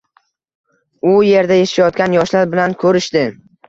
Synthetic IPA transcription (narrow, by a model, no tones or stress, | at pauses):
ʊje̞ɾd̪ajeʃʃajɒt̪̚kʲanjɒʃlaɾbɪlankʰɵɾɪʃd̪ɪ